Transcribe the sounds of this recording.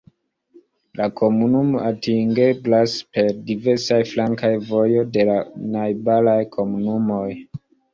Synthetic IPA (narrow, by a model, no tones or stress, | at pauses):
lakʰo̞munumo̞ʔatiŋɡe̞blaspe̞ɾdive̞ɾsajflaŋkajvo̞jo̞de̞lanajbalajkʰo̞munumo̞j